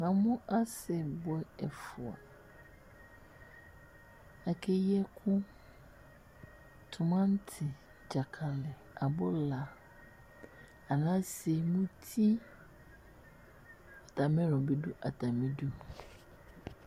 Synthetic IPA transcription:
nã˨mʊ̃˦ʔa˦sɛ˨bʊ˨ɛ˦ɛ˨fʊ˨a̰˨ | a˨kʰe˦jɛ˦kʰʊ̃˦ | tʰʊ˨mã˦n̩˦tʰɪ˨ | d͡ʑa˨kʰa˨lɪ˨ | a˨bɔ˦la˨ | a˨nã˦se˨mũ˦tʰi˦ | ɔ˨tʰa˨mɪ̃˦ɾɔ˨bɛ˦dʊ˦ʔa˨tʰa˨mĩ˦du˦

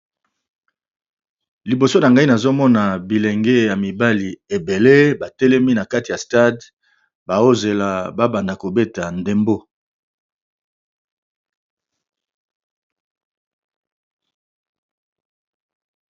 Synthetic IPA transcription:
li˨bo˨so˦na˨ŋɡa˦i˦na˨zo˦mɔ˦na˨bi˨lɛ˨ŋɡɛ˦ja˨mi˨ba˦li˨e˨be˨le˦ba˨tɛ˦lɛ˦mi˦na˨ka˦ti˨ja˨sta˦d | ba˨o˦ze˨la˨ba˦ba˨nda˨ko˨be˦ta˨nde˨mbo˦

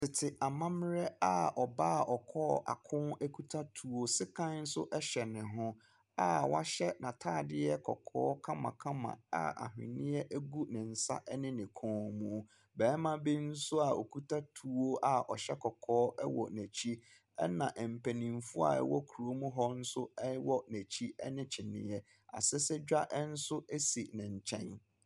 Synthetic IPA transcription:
tɪ˨tʰɪ˨ʔa˨mã˦mɪ˦ɾɛ˦a˨ɔ˨ba˦ɔ˨kʰɔː˦˨a̰˨kʰʊ̃˦næ˦kʰu˦tʰa˦tʰu˨˦o˦sɪ˦kʰã˦n̩˦sʊ̰˦ʔɛ˦ɕɛ˨nɪ̃˨ɦʊ̃˦ | a˨wa̰˦ɕɛ˦nã˨tʰaː˦˨dɪ˦ɛ˦kʰɔ̰˨kʰɔ̰ː˦kʰã˦mã̰˨kʰã˦mã̰˨a̰˨a̰˨ɦɪ̰̃˨nɪ̃˦ɛ˦ʔæ˦ɡu˦nɪ̃˨n̩˨sa̰˦ʔɛ˦nɪ̃˦nɪ̃˨kʰɔ̃ː˨˦˨mũ˨˦˨ | bɛː˨˦mã˦bi˦n̩˦sʊ˦a˨o˨kʰu˦tʰa˦tʰu˨˦o˦ʔa˨ɔ˨ɕɛ˦kʰɔ˨kʰɔː˦ʔɛ˦wɔ̰˨næ˨t͡ɕʰi˦ | ɛ̰˦nã˨ʔɛ˨m̩˨pʰæ˨nĩ˨m˨fʊ˦a̰˨ɛ̰˦wɔ˦kʰu˨ɾo˦mũ˦ɦɔ˦n̩˦sʊ˦ɛ˦wɔ˦næ˨t͡ɕʰi˦ɛ̰˦nɪ̃˦t͡ɕʰɪ˨nɪ̰̃˦ɛ˦ | a̰˨sɛ˦sɛ˦d͡ʑᶣa˦ʔɛ˦n̩˦sʊ˦ɛ˦si˨nɪ̃˨ɲ̩˨t͡ɕʰɛ̃˦n

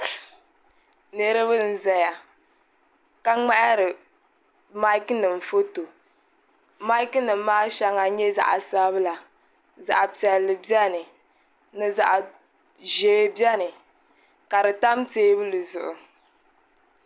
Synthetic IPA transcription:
ne˨ɾɨ˦βɨ˦n̩˨zɛ˦ja˨ | ka˦ŋ͡ma˦ʔɾɨ˨ | ma˦i˦knɨ˨m̩˨fo˦to˨ | ma˦jknɨ˨mː˦aː˦ʃa˦ŋa˨ɲɛ˦za̰˦˨ʔa˨sa˦βɨ˦la˨ | za̰˨ʔa˨pi˨ɛ˨lːɨ˨bi˦ɛ˦nɨ˨ | nɨ˨za˨ʔa˨ | ʒeː˨˦bjɛ˦nɨ˨ | ka˨ɾɨ˨ta˦m˦teː˦bɨ˦lɨ˨zʊ˨ʔʊ˨

